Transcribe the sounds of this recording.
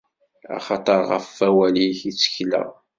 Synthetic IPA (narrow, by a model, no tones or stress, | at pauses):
ɑ̰χɑt̪ˤəɾˤʁə̰fːæwæliçit͡sːə̥çlə̰ʁ